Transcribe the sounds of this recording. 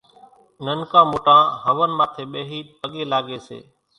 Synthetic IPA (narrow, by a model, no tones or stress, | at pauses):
nənkãːmoːʈãːɦəʋənmãːt̪ʰeːɓeːɦiːpəɠeːlaːɠeːsḛː